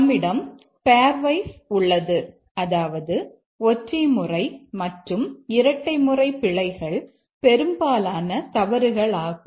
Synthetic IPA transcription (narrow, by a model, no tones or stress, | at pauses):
mːɪɽɐm | peːɾʋɐɪsʊɭːɐðɯ | ɐðaːʋɐðɯ | ɔʈrɐmɯrɐɪmɐʈrɯmɪɾɐʈːɐɪmɯrɐɪpːɪɭɐɪɣɐɭ | pɛɾɯmbaːlaːnɐt̪ɐʋɐɾɯɣɐɭaːɣɯm